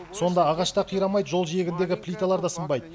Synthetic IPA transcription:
so̞nd̪ɑːʁɑʃt̪ɑqʰijɾɑmɑjd̪əʒo̞lˠʒije̞ɡʲɪnd̪e̞ɡʲɪplʲijt̪alˠɑɾd̪ɑsəmbɑjd̪ə

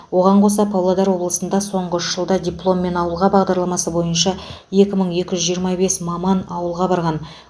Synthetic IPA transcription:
wo̞ʁɑɴqʰos̬ɑpʰɑwlˠɑd̪ɑɾwo̞blˠəsənd̪ɑso̞ɴʁəʏʃʒ̥əlˠd̪ɑdʲijplˠo̞mːe̞nɑwəlˠʁɑbɑʁd̪ɑɾlˠɑmɑsəbo̞jənʃɑje̞kʲɪməɴe̞kʲɪʒʏzʒijəɾmɑbe̞smɑmɑnɑwəlˠʁɑbɑɾʁɑn

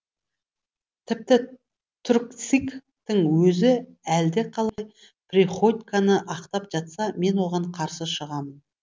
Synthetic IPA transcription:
t̪ʰɪp̚t̪ɪ | t̪ʰʊɾk̚t̪sik | t̪əŋwɵzɪæld̪e̞qʰɑlˠɑj | priχot̪ʲkanəʔɑqt̪ɑpʒ̥ɑt̪sɑme̞nwo̞ʁɑɴqʰɑɾsəʃəʁɑmən

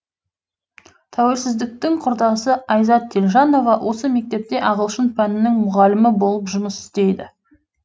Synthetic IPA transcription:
t̪ʰæwelsɪzd̪ɪk̚t̪ɪŋqʰʊɾd̪ɑsəɑjzɑt̪ʰːelʒɑno̞vɑwʔo̞səme̞k̚t̪e̞p̚t̪e̞ʔɑʁəlˠʃənpʰænɪnɪŋmʊʁɑlɪmɪbo̞lˠəpʒʊməsɪ̥st̪e̞jd̪ɪ̰

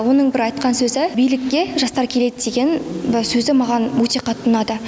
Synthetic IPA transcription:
wo̞nəɴbɪɾɑjt̪qɑnsɵzɪbijlɪkʲːe̞ʒɑst̪ɑɾkʲʰe̞le̞d̪ɪd̪e̞ɡʲe̞nbɪsɵzɪmɑʁɑnwɵt̪e̞qʰɑt̪ənɑd̪ə

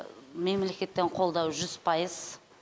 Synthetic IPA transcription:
me̞mle̞kʲe̞t̪ːe̞ɴqʰo̞lˠd̪ɑwʒʏz̥pʰɑjəz̥

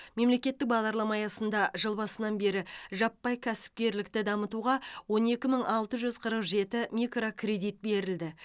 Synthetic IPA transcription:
me̞mle̞kʲe̞t̪ːɪk̚bɑʁd̪ɑɾlˠɑmɑjɑsənd̪ɑʒəlˠbɑsənɑnbe̞ɾɪʒɑpːɑjkʲʰæsɪ̥p̚kʲe̞ɾlɪkt̪ɪd̪ɑmət̪uʁɑwo̞ne̞kʲɪməɴʔɑlˠt̪əʒʏzqʰəɾəqʒe̞t̪ɪmʲikro̞kʰre̞d̪ijt̪̚be̞ɾɪld̪ɪ

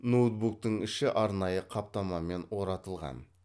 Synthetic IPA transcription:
nud̪buk̚t̪əɴɪʃɪʔɑɾnɑjəqʰɑp̚t̪ɑmɑme̞nwo̞ɾɑt̪əlˠʁɑ̰n

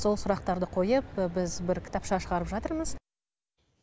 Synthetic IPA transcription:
so̞lˠsʊɾɑq̚t̪ɑɾd̪əqʰo̞jəpbɪzbɪɾkʲʰɪ̥t̪ɑpʃɑʃəʁɑɾəpʒɑt̪əɾməz̥

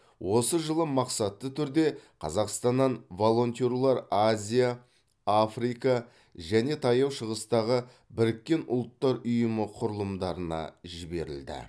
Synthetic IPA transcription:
wʔo̞səʒəlˠəmɑqsɑt̪ːət̪ʰʏɾd̪e̞qʰɑ̰zɑqst̪ɑnːɑnvo̞lˠo̞nt̪ʲeɾlˠɑɾazʲija | afrijkɑ | ʒæne̞t̪ʰɑjɑwʃəʁəst̪ɑʁə | bɪɾɪkʲːe̞nʔʊ̰lˠt̪ːɑɾʊjəməqʰʊɾəlˠəmd̪ɑɾənɑ̰ʒɪbe̞ɾɪ̰ld̪ɪ̰

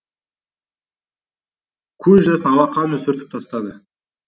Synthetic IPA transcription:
kʲʰɵzʒɑsənɑlɑqʰːɑnənɵsɪɾt̪ɪ̥p̚t̪ʰɑst̪ɑd̪ə

